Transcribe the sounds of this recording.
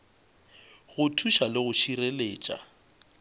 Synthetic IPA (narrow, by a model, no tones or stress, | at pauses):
ɣʊtʰuʃalɪɣʊʃireleːt͡ʃʼa̰